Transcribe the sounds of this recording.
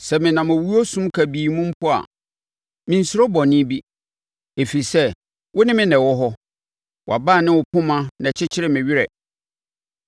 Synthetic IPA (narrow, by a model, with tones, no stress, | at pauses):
sɛ˨mɪ̃˨nã˨mɔ˨wu˦o˦sũ˦mkʰæ˨biː˨mũ˦m̩˦pʰʊ˦a̰˨ | mɪ̃˨n̩˨sʊ˦ɾɔ˦bɔ˨nɪ̃˦bi˦ | e˨fi˨ɾi˨sɛ˦ | wʊ˦nɪ̃˦mɪ̃˦nɛ̃˨wɔ˦ɦɔ˦ | wa˨ba˦˨nɪ̃˦wʊ˨pʰʊ̃˦mã˦nɛ̃˨t͡ɕʰɪ˦t͡ɕʰɪ˦ɾɪ˦mɪ̃˨ɥɪ˦ɾɛ˨